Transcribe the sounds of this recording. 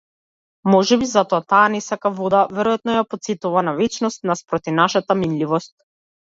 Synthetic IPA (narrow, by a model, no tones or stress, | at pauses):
mɔʒɛbizat̪ɔat̪aːnɛsakavɔd̪avɛɾɔjat̪nɔjapɔt̪sit̪uvanavɛt͡ʃnɔst̪naspɾɔt̪ivnaʃat̪aminlivɔst̪̚